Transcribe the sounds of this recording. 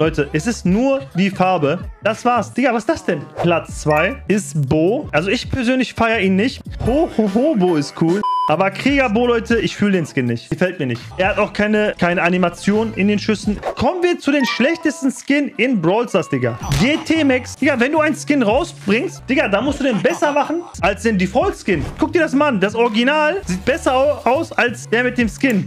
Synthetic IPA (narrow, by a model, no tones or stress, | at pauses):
lɔʏtəʔɛsɪstnuːɐviːfaɐbəd̥asv̥aːɐsd̥ɪɡavasd̥asd̥ɛnplat͡st͡sv̥aɪɪstboːʔalzoɪçpʰɛɐzøːnlɪçfaɪɐʔiːnːɪçthohɦoːboːɪst̚kʰuːlʔʔaːbɐkʁ̥iːɡɐboːlɔʏtʰəʔɪçfyːlədeːnskɪnːɪçtɡ̥əfɛlt̚miːɐnɪçtʔɛːɐhataʊxkʰaɪnəkʰaɪnəanimat͡sjoːnʔɪndeːnʃʏsn̩kʰɔmənviːɐt͡sudeːnʃlɛçtəstn̩skɪnɪnbʁɔlsasd̥ɪɡɐɡeːtʰeːmɛksd̥ɪɡaːlvɛnduːaɪnskɪnʁaʊsb̥ʁɪŋstd̥ɪɡaːldaːmʊstd̥uːdeːnbɛsɐmaχn̩ʔalsd̥eːndiːfʁɔltskɪnɡ̥ʊk̚d̥iɐɾasmalʔandasʔɔɐɡinaːlziːt̚b̥ɛsɐʔaʊsalsd̥eːɐmɪt̚d̥eːmskɪn